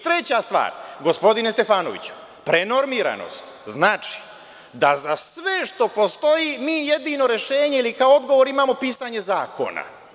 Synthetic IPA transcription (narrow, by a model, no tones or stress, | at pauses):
t̪ɾe̞t͡ɕast̪ʋa̰ːɾɡo̞spo̞d̪ine̞st̪e̞faːno̞ʋḭt͡ɕu̥ | pɾe̞no̞ɾmiɾa̰no̞̰st̪ | znaːt͡ʃi̥ | d̪azasʋe̞ʃt̪o̞po̞st̪o̞jimiːje̞d̪ino̞ɾe̞ʃe̞ːɲe̞ilikaoo̞d̪ɡo̞ʋo̞ɾimaːmo̞piːsaɲe̞zaːko̞̰na̰